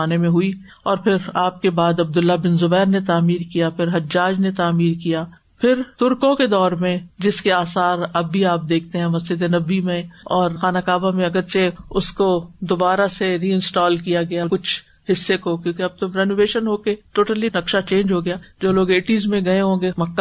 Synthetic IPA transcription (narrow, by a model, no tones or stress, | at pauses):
aːnemẽɦʊi | ɔːɾpʰɪɾaːp̚kebaːd̪ɐb̚d̪ʊlːabɪnzʊbɛːɾnet̪aːmiːɾkijapʰɪɾɦɐd͡ʒːaːd͡ʒnet̪aːmiːɾkijaː | pʰɪɾt̪ʊɾkõked̪ɔːɾmẽd͡ʒɪskeaːsaːɾɐbːʱiaːp̚d̪eːk̚ʰt̪eɦɛ̃mɐsɪd̪enɐbːimẽɔːɾxaːnakaːbamẽɐɡəɾt͡ʃeʊskod̪ʊbaːɾaseɾiːɪ̃nsʈɔːlkijaɡɐjaɾkʊt͡ʃʰ | ɦɪsːekokjõːkeɐb̚t̪ʊmɾɛːnoːʋeːʃənɦoːkeʈoːʈəlinɐkʃat͡ʃẽːnd͡ʒɦoɡɐjaːd͡ʒoːloːɡeːʈiːzmẽɡɐeɦõːɡemɐkːa